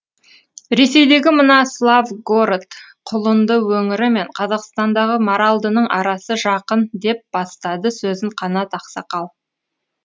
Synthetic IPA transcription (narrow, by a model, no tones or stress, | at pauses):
ɾe̞se̞jd̪e̞ɡʲɪmənɑslˠavɡoɾt̪ | qʰʊlˠənd̪əwɵŋɪɾɪme̞ɴqʰɑzɑqst̪ɑnd̪ɑʁəmoɾɑlˠd̪ənəɴʔɑ̰ɾɑsəʒɑqənd̪e̞p̚b̥ɑst̪ɑd̪əsɵzɪɴqʰɑnɑt̪ɑqsɑqɑlˠ